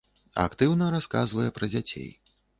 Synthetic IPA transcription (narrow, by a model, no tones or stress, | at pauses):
a̰kt̪ɨwnɐɾaska̰zvɐjɛpɾɐd͡zʲat͡sʲḛj